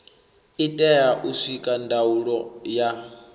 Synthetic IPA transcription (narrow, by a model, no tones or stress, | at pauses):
itʼɛjaʔusikʼandʱauɺɔja